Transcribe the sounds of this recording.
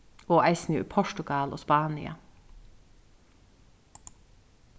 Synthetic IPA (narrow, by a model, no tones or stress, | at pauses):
oːʔæɪsn̩jʊy̰ːpʰɔʃʈʊɡɑːlʔo̰ːspɑːnɪ̰ɑ̰